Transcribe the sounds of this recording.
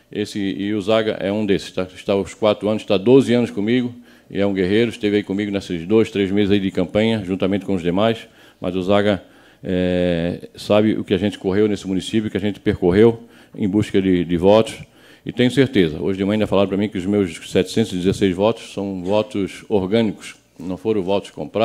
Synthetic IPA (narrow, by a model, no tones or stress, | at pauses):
esɪɪʊzaɡɐ̰ʔɛ̰ũd̪esɪ̥st̪aɪʃt̪aʊskwat̪ɾʊɐ̃nʊsɪ̥t̪ad̪ozɪɐ̃nʊskõmiɡʊ | ɪ̰ɛũɡeɦejɾʊɪʃt̪evɪaikõmiɡʊnesɪzd̪ojst̪ɾezmezɪzaid̪ɪkɐ̃mpɐ̃ɲɐʒũt̪amẽnt̪ɪkõʊzd̪emajs | mʔɐ̰zʊzaɡɐ | ɛ | sabɪʔʊ̰kɪaɐʒẽnt̪ɪ̥koɦewnesɪmunisip̬jʊkɪɐʒẽnt̪ɪ̥peɾkoɦew | ḛ̃j̃buʃkɐd̪ɪd̪ɪvɔt̪ʊ̥s | ɪ̰t̪ẽj̃ʊseɾt̪ezɐ̰o̰ʒɪd̪ẽm̃ãĩd̪afalad̪ʊpɾɐmĩkɪʊzmewssɛt̪ɪ̥sẽt̪ʊzɪd̪ɪzesejzvɔt̪ʊ̥ssɐ̃w̃vɔt̪ʊsoɾɡɐ̃nikʊ̥s | nɐ̃w̃foɾɐ̃w̃vɔt̪ʊ̥kõ̰pɾa